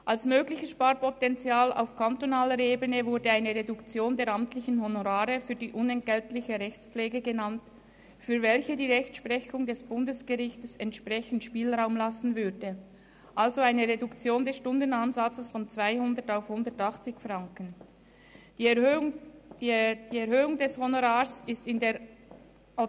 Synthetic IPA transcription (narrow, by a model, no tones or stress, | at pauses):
ʔalsmøːɡlɪçəsʃpaːʁpotɛnt͡sjaːla̰ʊfkʰantonaːləɾeːbənəvʊɐdəaɪnəʁedukt͡sjoːndeːɐɾamtlɪçn̩ɦonoʁaːʁəfyːɐdiːʔʊnɛnt̚ɡ̥ɛltlɪçəʁɛçt͡spp͡flɛːɡəɡənant | fyːɐvɛlçədiːʁɛçtʃpʁɛçʊŋdɛsb̥ʊndəsɡ̥əʁɪçtəsɛntʃpʁɛçən̩tʃpiːlʁaʊmlasn̩vʏdə | ʔalzoaɪnəʁedʊkt͡sjoːndɛsʃtʊndənanzat͡səsfɔnt͡sv̥aɪhʊndətaʊfhʊndətɑχt͡sɪçfʁaŋkən | d̥iːɛɾhøːʊŋdɛshonoʁaːsɪstɪndeː